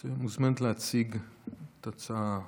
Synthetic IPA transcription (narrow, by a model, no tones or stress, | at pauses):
zemuzmant̪leat͡siɡt̪at͡sa